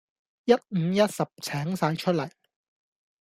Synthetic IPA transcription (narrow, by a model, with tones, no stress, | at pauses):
jɐ˥t̚m̩˨˧jɐ˥t̚sɐ˨p̚t͡sʰɛː˨˥ŋsaː˨˧jt͡ʃʰɵ˥t̚lɐ˨˩j